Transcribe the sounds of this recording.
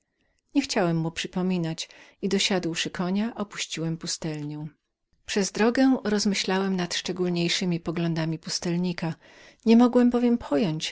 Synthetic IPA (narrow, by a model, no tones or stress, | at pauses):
ɲɛxt͡ɕawɛmːupʂɘpɔmʲinat͡ɕid̪ɔɕad̪wʂɘkʰɔɲaʔɔpu̥ɕt͡ɕiwɛmpust̪ɛlɲɔ | pʂɛzd̪ɾɔɡɛɾɔzmɘɕlawɛmnat̪ʂt͡ʂɛɡulɲejʂɘmʲipɔɡlɔ̃nd̪amʲipust̪ɛlɲika | ɲɛmɔɡwɛmbɔvʲjɛmpʰɔjɔɲt͡ɕ